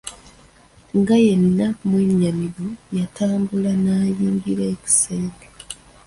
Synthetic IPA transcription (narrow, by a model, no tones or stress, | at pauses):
ŋɡaje̞nːamweɲːamiɾojatʰaːmbulanaːjiːɲɡiɾeːci̥saiɡe